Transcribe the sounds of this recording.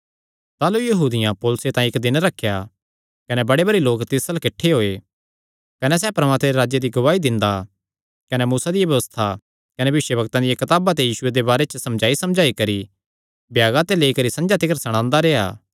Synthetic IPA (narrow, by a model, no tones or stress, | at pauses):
t̪aːlujɐɦuːd̪ɪjãpoːlʊset̪ãːĩɪkd̪ɪnɾɐkʰːja | kɐnɛbɐɽebɐɽiloːkt̪ɪsəlkɪʈʰːeɦoːe | kɐnɛs̬ɛːpɐɾmaːt̪meɾeɾaːd͡ʒjed̪iɡɐʋaːid̪ɪ̃nd̪a | kɐnɛmuːsad̪ɪjabɐʋəst̪ʰa | kɐnẽbɐʋɪʃjəbɐkt̪ãd̪ɪjakɐt̪aːbat̪ejiːsʊed̪ebaːɾet͡ʃəsɐ̃md͡ʒaːisɐmd͡ʒaːikɐɾi | bjaːɡãt̪eleːikɐɾisɐ̃nd͡ʒat̪ɪkəɾsɐɽ̃ãːnd̪aɾeːa̰ː